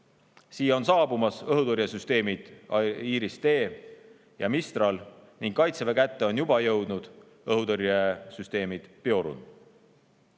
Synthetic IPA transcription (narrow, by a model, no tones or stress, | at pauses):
siːo̞nsɑːbumɑsɤɦud̪uɾjɑsyst̪e̞ːmid̪̥iːɾist̪e̞ː | jɑmist̪rɑlniŋɡ̥kːɑjt̪sevekæt̪ːeo̞njubɑjɤwd̪̥nud̪̥ | ɤɦud̪oɾjesyst̪e̞ːmid̪̥peo̞ɾṵn